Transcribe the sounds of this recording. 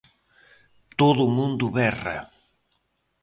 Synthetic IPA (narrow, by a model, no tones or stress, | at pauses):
t̪oðʊmũnd̪ʊβɛrɐ̰